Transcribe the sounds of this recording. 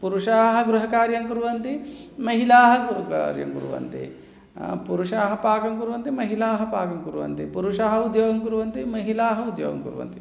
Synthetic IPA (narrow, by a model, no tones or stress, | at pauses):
puɾuʂaːɦɐ̆ɡɾuɦɐkaːɾjɐŋkuɾuʋɐnt̪imɐɦilaːɦɐkuɾuka̰ːɾjɐ̰ŋkṵɾṵʋɐ̰nt̪ḭ | puɾuʂaːɦɐpaːkɐŋkuɾuʋɐnt̪imɐɦilaːɦɐpaːkɐŋkuɾuʋɐ̰nt̪ipuɾuʂaːɦɐ̆ud̪joːɡɐŋkuɾuʋɐnt̪imɐɦilaːɦɐud̪jo̰ːɡɐ̰mkuɾuʋɐ̰nt̪i